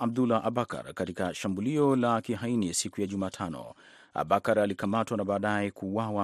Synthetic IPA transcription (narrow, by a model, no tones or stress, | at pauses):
ab̚d̪ulaʔaɓaka̰ɾkatikaʃambuliɔlakiɦainisikujaʄumaːtʰanɔ̰ | a̰ɓakaɾalikamatwanaɓaːɗajɛkuːwawa